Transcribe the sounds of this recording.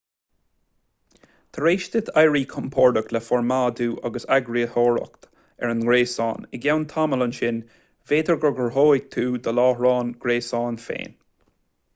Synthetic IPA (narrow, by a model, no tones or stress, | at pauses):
t̪ʰəɹeːʃt̪ɪt̪ʰajɹiːkʰɔmpʰɔɹd̪əklɛfɔɹmaːd̪uːʔaɡəsaɡɹiəhɔːɹə̰kt̪ | ɛɹənɡɹeːsɑ̰ːnɪɡawnt̪ʰamələnʃɪn | veːd̪əɹɡəɹɡəɹɦoːɪɡ̚t̪ʰuːd̪əlɑːhɹɑːnɡ̥ɾeːsɑːnfḛːn